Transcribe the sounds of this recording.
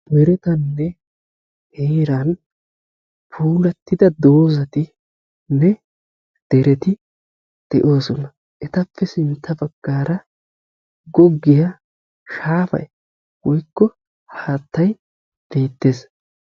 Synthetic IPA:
mɛɾɛt̪ɐnːɛ | heːɾɐn | pʰuːlɐt̪ːɪd̪ɐd̪o̞ːzɐt̪ɪ | nɛ | d̪̥ɛɾɛt̪ɪ | d̪̥ɛʔo̞ːsɔnɐ | ʔɛt̪ɐpːɛsɪnt̪ːɐbɐɡːaːɾɐ | ɡɔɡːɪja | ʃaːfɐ̰j | wɔjkːɔ | haːt̪ːɐj | b̥eːt̪ːeːs

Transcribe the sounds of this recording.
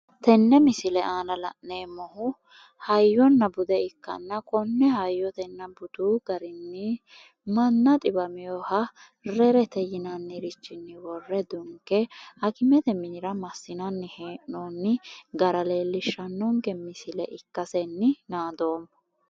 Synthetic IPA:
t̪ɛnːɛmɪsɪlɛaːnɐlɐ̰ʔneːmɔhʊ | hɐjːɔnːɐbʊd̪ɛɪkːɐ̰nːɐkʼɔnːɛhɐjːɔt̪ɛnːɐbʊt̪uːɡ̥ɐɾɪnːɪ | mɐnːɐt̪ʼɪbɐmɪjɔhɐ | rɛɾɛt̪ɛjɪnɐnːɪɾɪt͡ʃːɪnːɪwɔrːɛd̪ʊŋkːɛhɐkɪmɛt̪ɛmɪɾɐmɐsːɪnɐnːɪheːʔonːɪɡɐɾɐle̞ːlːɪʃːɐnːɔŋkɛmɪsɪlɛʔɪkːɐsɛnːɪnaːd̪o̞ːm

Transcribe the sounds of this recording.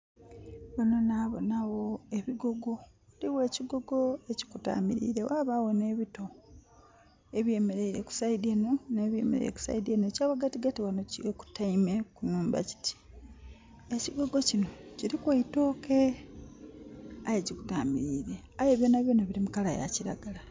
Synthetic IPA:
βano̞naβo̰naɣo̞eβiɡoɡo̞ | liwe̞ːciɡo̞ɡo̞e̞ci̥kuta̰ːmiɾḭɾe̞̰waːβawo̞ne̞ːβito̞ | e̞βje̞me̞ɾe̞iɾeku̥saideno̞neːβjḛmḛɾḛɾḛku̥sa̰idienocaːβaɡatiɡatiwanociweku̥taime̞kunuːmba̰ci̥ti̥ | e̞ciɡo̞ɡo̞cino̞ciɾikwaito̞ːke̞ | ajecikuɡaːmiɾiɾe̞ | ajeβjonaβjonaβiɾimukalaja̰ciɾa̰ɡala

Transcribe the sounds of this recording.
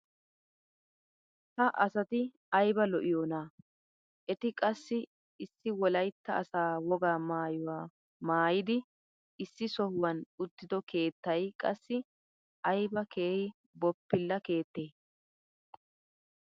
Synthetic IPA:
hɐʔɐsɐt̪ɪ | ɐjbɐlɔʔɪjoːnaː | ʔɛt̪ɪkʼɐsːɪ | ɪsːɪwɔlɐjt̪ːɐɐsaːwɔɡaːmaːjʊwaː | maːjɪd̪ɪ | ɪsːɪsɔhʊwɐnʊt̪ːɪd̪ɔkʰe̞ːt̪ːɐjkʼɐsːɪ | ɐjbɐke̞ːhɪ | bɔpːɪlːɐke̞ːt̪ːe̞ː

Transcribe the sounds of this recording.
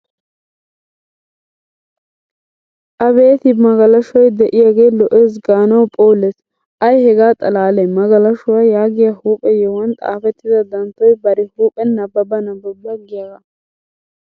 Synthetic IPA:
ʔɐbe̞ːt̪ɪmɐɡɐlɐʃɔjd̪ɛʔɪjaːɡeːlɔʔeːs̬ɡaːnɐwpʼoːlːes | ʔɐjhɛɡaːt̪ʼɐlaːlɛmɐɡɐlɐʃʊwaːjaːɡɪjahuːpʼɛjɛwɐnt̪ʼa̰ːfɛt̪ːɪd̪ɐd̪ɐnt̪ːɔjbɐɾɪhuːpʼɛnːɐbːɐbɐnɐbːɐbːɐɡɪjɐɡɐ

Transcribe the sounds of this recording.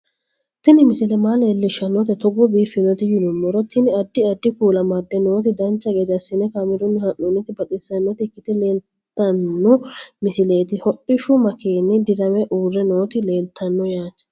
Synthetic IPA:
t̪ɪnɪmɪsɪlɛmaːleːlːɪʃɐnːɔt̪ɛt̪ɔɡɔbiːfːɪnɔt̪ɪjʊd̪ʊmːɔɾɔt̪ʰɪnɪɐd̪ːɪɐd̪ːɪkuːlɐmɐd̪ːɛnoːt̪̬ɪd̪ɐnt͡ʃːɐɡeːd̪ɐsɪnɛkamɪd̪ɔnːɪhɐnːunɪt̪ɪbɐt̪ʼɪsːɐnːɔt̪ɪkːɪt̪ɛle̞ːl | t̪ːɐnːɔmɪsɪle̞ːt̪ɪhɔʔːɪʃʊmɐkʰeːnːɪd̪ɪɾɐmɛʔuːrːɛno̞ːt̪ɪleːlt̪ʰːɐnːɔjaːt͡ʃːɛ̥

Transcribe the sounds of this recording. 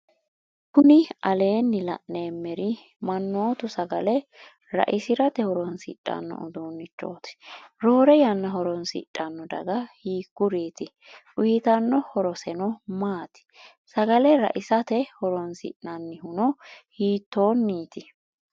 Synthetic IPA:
kʊnɪɐle̞ːnːɪlɐ̰ʔneːmːɛɾɪ | mɐnːoːt̪ʊsɐɡɐlɛ | ɾɐ̰ʔɪsɪɾɐt̪ɛhɔɾɔnsḭtʼːɐ̰nːɔ̰ʔʊ̰d̪oːnːɪt͡ʃːo̞ːt̪ɪ̥ɾoːɾɛjɐnːɐɦɔɾɔnsḭtʼːɐnːɔd̪ɐ̰ɡɐhiːkːʊɾiːt̪ɪ | ʊjɪt̪ɐnːɔhɔɾɔsɛnɔmaːt̪ɪ̥ | sɐɡɐlɛɾɐ̰ʔɪsɐt̪ɛhɔɾɔnsɪ̰ʔnɐnːɪhʊnɔhiːt̪ːo̞ːnːiːt̪ɪ

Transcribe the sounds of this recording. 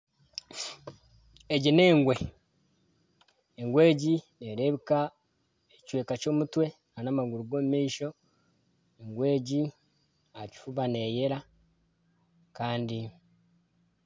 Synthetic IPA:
eɟine̞ːŋɡwe | eŋɡwe̞ːɟineɾe̞βika | ect͡ʃwe̞ːkaco̞ːmutwe̞ | anamaɡuɾuɡo̞ːmumiːʃo̞ | eŋɡwe̞ːɟi | aci̥fuβane̞ːje̞ɾa | kaːndi

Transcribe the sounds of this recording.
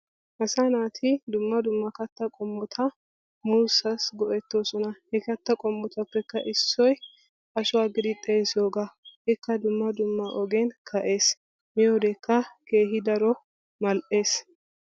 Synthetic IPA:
ʔɐsɐnaːt̪ʰɪd̪ʊmːɐd̪ʊmːɐkɐt̪ːɐkʼɔmːɔt̪ʰɐ | muːsɐsɡɔʔɛt̪ːoːsɔnɐhɛkɐt̪ːɐkʼɔmːɔt̪ɐpːɛkːɐʔɪsːɔj | ɐʃʊwaːɡɪd̪ɪt̪ʼːeːsjoːɡɐhɪkːɐd̪ʊmːɐd̪ʊmːɐʔɔɡenkʰɐʔe̞ːs | mɪjod̪ɛkːɐkeːɦɪd̪ɐɾɔ | mɐlʔe̞ːs

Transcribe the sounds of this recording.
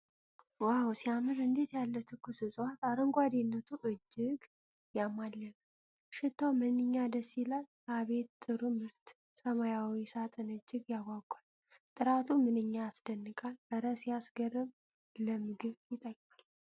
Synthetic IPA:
wawsijamɨɾɨnd̪e̞t̪jalːət̪ʰɨkʰɨsɨsʼwat̪aɾəŋɡʷad̪enːət̪ʰuʔɨd͡ʒːɪɡ | jamːalːən | ʃɪt̪ʰːawmənɨɲːad̪əsilal | aβe̞t̪t̪ʼːɨɾumɨɾt̪ | səmajawisat̪ʼɨnɨd͡ʒːɪɡjaɡʷakʼːal | t̪ʼɨɾat̪ʰumɨnɨɲːaːsd̪ənːɨkʼalʔəɾəsijasɡərːɨβ | ləmɨɡɨβjɪt̪ʼəkʼmal

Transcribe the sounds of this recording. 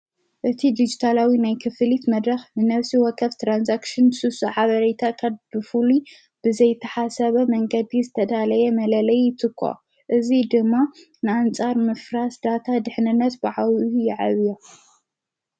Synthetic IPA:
ʔɨt̪ʰid̪id͡ʒit̪ʰalawinajkʰɨfɨlit̪mɐd̪ɾɐxnɨnɐβsiwɔkʰːɐβt̪ɾansakʃɪnsɨsuħaβɐɾet̪ʰakʰaβbɨfuli | b̥ɨzɐjt̪ʰɐħasɐβɐmɐŋɡɐd̪izɨt̪ʰɐd̪alɐjɛmɐlɐlɐjːɪt̪ʰɨkʰːo̰ | ʔɨzid̪ɨmːa | nɨant͡sʼaɾmɨfɾasd̪at̪ʰad̪ɨħnɨnːɐt̪baʕawjɪʕa̰βijo

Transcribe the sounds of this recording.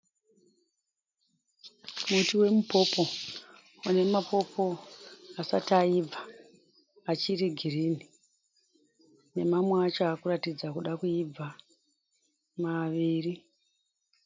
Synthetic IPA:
mutiwe̞mupo̞po̞ | une̞mapo̞pʰo̞asa̰taib͡vʱa | at͡ʃiɾiɡʱirini | ne̞mamweat͡ʃoaːkuratid͡zakuɗakuib͡va | maʋiːri

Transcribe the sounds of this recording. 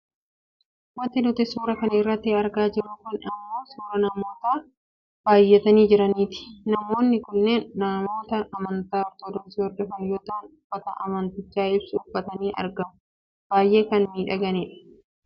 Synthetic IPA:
wɐnt̪ːɪnʊt̪ɪsuːɾɐkɐnɪrːɐt̪ːɪɐɾɡaːd͡ʒɪɾːʊːkʊnɐmːo̞ːsuːɾɐnɐmo̞ːt̪aː | b̥aːjːɛt̪ɐniːd͡ʒɪɾɐniːt̪ɪ̥nɐmo̞ːnːɪkʊnːe̞ːnːamo̞ːt̪ɐʔːmɐnt̪aːɔɾt̪oːd̪ɔnsiːhɔɾd̪ɔfɐnjo̞ːt̪ɐnʊb̥ːɐt̪ɐ̰ʔɐ̰mɐnt̪ɪt͡ʃːaːɪbsɪʊbɐt̪ɐniːʔɐ̰ɾɡɐmʊ | b̥aːjʔe̞ːkɐnmiːᶑɐɡɐniːᶑɐ̥

